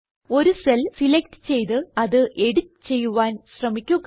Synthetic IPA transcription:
o̞ɾuselsilek̚ʈt͡ɕe̞jt̪ɨɐðɨʔe̞ɽitːt͡ɕe̞jːuʋaːnɕrɐmikʲːuk

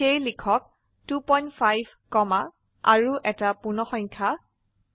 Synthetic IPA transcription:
ejlikʰɔk̚ | tupɔjntpʰajb | kɔma | aɹuʔɛtapunɔxɔɲkʰa

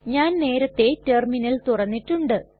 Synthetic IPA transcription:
ɲaːnne̞ːɾɐt̪ːe̞terminɐlt̪urɐnːiʈːuɳɖɨ

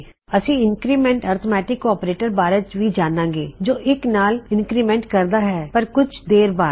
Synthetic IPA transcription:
əsĩːɪnkɾiːmɛ̃ːɳʈaːɾt̪ʰomɛːʈɪkɔːpɾeːʈəɾbaːɾət͡ʃʋiːd͡ʒaːnãːŋɡeːd͡ʒoːʔɪknaːlɪnkɾiːmɛ̃ːɳʈkəɾd̪aːɦɛːpəɾkʊt͡ʃʰd̪eːɾbaː

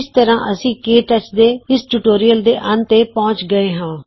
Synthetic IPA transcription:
ɪst̪əɾãːʔəsĩːkeːʈət͡ʃd̪eːɪsʈuːʈoːɾijəld̪eːʔənt̪eːpɔ̃ːt͡ʃɡəeːɦãː

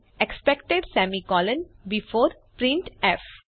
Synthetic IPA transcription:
ekspɛkʈeɖsæmikɔːlə̃nbifoːɾpɾɪ̃ɳʈef

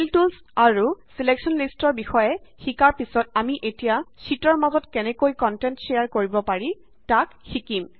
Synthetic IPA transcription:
iltuls | aɹusileksɔnlistɔɹbixɔjɛxikaɹpisɔtamiʔetijasitɔɹmazɔtkɛnɛkojkɔntɛntseaɹkoɹibɔpaɹi | takxikim

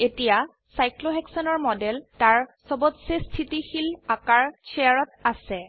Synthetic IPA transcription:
etija | sajkloɦɛksɔnɔɹmɔdɛltaɹsɔbɔtsestʰitixilakaɹseaɹɔt̚asɛ

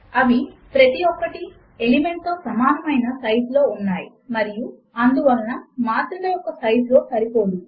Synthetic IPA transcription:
ɐʋipɾɐt̪iɔkːɐʈi | elime̞ɳʈ̚t̪oːsɐmaːnɐmɐjnɐsɐjɖlo̞ːunːaːji | mɐɾiju | ɐnd̪uʋɐlɐnɐmaːt̪ɾɐmeːjɔkːɐsɐjɖlo̞ːsɐɾipo̞ːd̪i

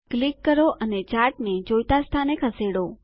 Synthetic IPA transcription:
klikːəɾoʔənet͡ʃaɾʈned͡ʒojt̪ast̪ʰanekʰəseɽo

